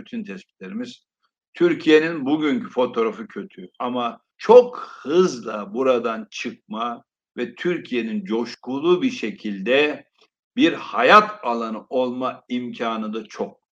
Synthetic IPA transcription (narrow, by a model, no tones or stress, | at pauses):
byt̪ʰynt̪ʰɛspi̥t̪lʲe̞ɾimiz̥ | t̪ʰyɾcʰije̞ninbuɟyɲcʰy̥fo̞t̪ʰo̞ɾafɯcʰø̞t̪ʰyama | t͡ʃʰokhɯzlˠabuɾad̪ant͡ʃʰɯk̚ma | vɛt̪ʰyɾcʰije̞nind͡ʒo̞ʃkulˠuːbiɾʃecʰilʲd̪ɛ | biɾhajat̪ʰalˠanɯʔo̞lˠmaimcʰaːnɯd̪at͡ʃʰok̚